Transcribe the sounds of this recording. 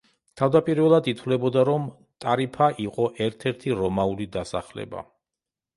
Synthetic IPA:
t̪ʰavd̪apʼiɾvɛlˠad̪it̪ʰvlɛbɔd̪aɾɔm | t̪ʼaɾipʰaʔiqʼɔʔɛɾt̪ʰɛɾt̪ʰiɾɔmaulid̪asa̰χlɛ̰ba̰

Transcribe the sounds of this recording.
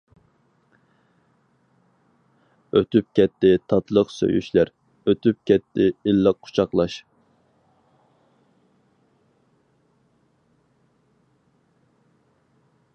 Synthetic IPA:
øt̪yp̚kʲɛt̪ʰːɪt̪ʰɑt̪ʰlˠəqsø̰jy̰ʃlæɾ | øt̪ʰyp̚kʲʰɛt̪ʰːɪilˠːɑqʰːu̥t͡ʃʰɑqlˠɑʃ

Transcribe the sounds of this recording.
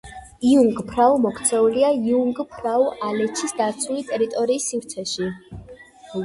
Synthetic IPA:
iuŋɡpʰɾaumɔkʰt̪sʰɛuliaiuŋɡpʰɾauʔalɛt͡ʃʰisd̪at̪sʰulit̪ʼɛɾit̪ʼɔɾiːsːivɾt̪sʰɛʃi

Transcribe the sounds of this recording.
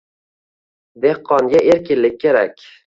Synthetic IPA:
d̪e̞hqʰːɒŋɡʲaʔeɾkʲɪnlɪk̚ʲʰːe̞ɾa̰kʲ

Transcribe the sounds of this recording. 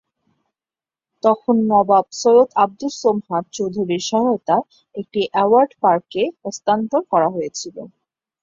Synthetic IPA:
t̪ɔkʰonːɔbab̚sojot̪ʰab̚d̪ulsomɦat̪̚t͡ɕowd̪ʱuɾiɾʃɔŋɡot̪a | ek̚ʈiʔɛwaɾɖpaɾkeost̪ant̪onkɔɾaɦojet͡ɕʰilo̰

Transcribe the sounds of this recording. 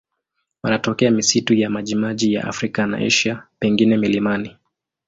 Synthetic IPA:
wanatɔkɛamisitujamaʄimaʄija̰ʔa̰fɾikana̰ʔɛ̰ʃapɛŋɡinɛmilimani

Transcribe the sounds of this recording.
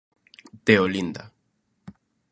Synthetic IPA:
t̪eolind̪a

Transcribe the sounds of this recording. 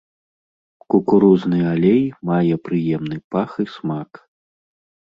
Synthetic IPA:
kukuɾuznɨalʲejmajɛpɾɨjɛmnɨpaxismak

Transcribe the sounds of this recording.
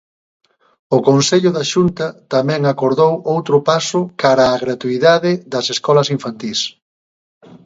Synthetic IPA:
ʊkonseʎʊðaʃunt̪ɐt̪amɛ̃ŋakoɾðowowt̪ɾʊpasʊkaɾaːɣɾat̪uiðaðɪðɐseskɔlɐsiɱfant̪is

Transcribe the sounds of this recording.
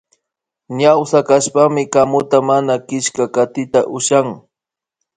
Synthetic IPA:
ɲawsakaʃpamɪkamʊt̪amanakɪʃkakat̪ɪt̪aʔʊʃaŋ

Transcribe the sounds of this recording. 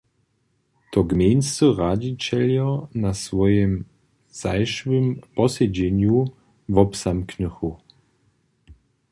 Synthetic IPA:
t̪ɔɡmʲenst͡səʁad͡ʑit͡ɕɛljɔnasvɔjɛm | z̥ajʃvəmpɔsɛd͡ʑɛɲju | vɔpsamknəxu

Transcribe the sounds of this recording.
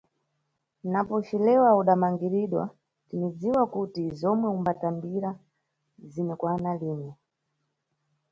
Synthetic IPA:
napɔʃilɛwauɗamaŋɡiɾiɗwa̰ | tinid͡ziwakutizɔmwɛumbatambiɾa | zinɛkwanaliːnɛ

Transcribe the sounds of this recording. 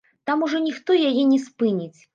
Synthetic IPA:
t̪amuʐɔnʲixt̪ɔjajɛnʲɛspɨnʲit͡sʲ

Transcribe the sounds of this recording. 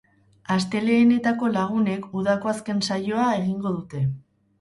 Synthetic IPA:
ast̪e̞le̞ːne̞t̪ako̞laɣ̞une̞kuð̞ako̞aske̞nsajo̞ae̞ɣiŋɡo̞ð̞ut̪e̞

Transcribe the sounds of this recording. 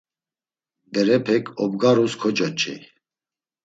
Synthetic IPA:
bɛɾɛpʰɛkʰʼɔbɡaɾuskʰɔt͡ʃʼɔt͡ʃʼḭ

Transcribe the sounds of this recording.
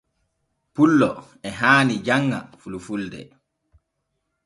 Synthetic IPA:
pulːɔ | ɛɦaːnid͡ʒaŋːa̰fulufuldɛ̰

